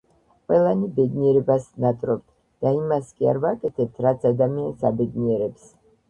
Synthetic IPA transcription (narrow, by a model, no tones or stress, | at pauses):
qʼwɛlˠanibɛd̪niɛɾɛbasnat̪ʼɾɔb̚t̪ʰ | d̪̥aimaskʼia̰ɾvakʼɛt̪ʰɛp̚t̪ʰɾat̪sʰad̪amiansabɛd̪niɛɾɛps